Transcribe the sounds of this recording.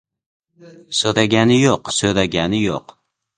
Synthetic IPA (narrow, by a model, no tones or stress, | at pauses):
søɾɛɡʲɛnɪjoqsøɾɛɡʲɛnɪjoq